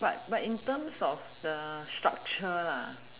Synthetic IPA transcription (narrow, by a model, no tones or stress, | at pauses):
ba̰t̚batĩntə̃msɔfdəstɹa̰k̚t͡ʃəla